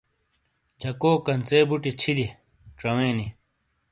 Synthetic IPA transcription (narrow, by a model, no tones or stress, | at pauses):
t͡ɕɐkoːkɐnt͡seːbuʈit͡ɕʰid̪i | ʈ͡ʂɐweːni